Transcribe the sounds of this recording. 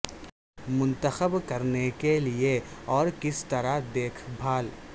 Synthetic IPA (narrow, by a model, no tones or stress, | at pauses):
mʊ̃nt̪əxəbkɐɾnekelieɔːɾkɪst̪ɐɾaɦd̪eːkʰbʱaːl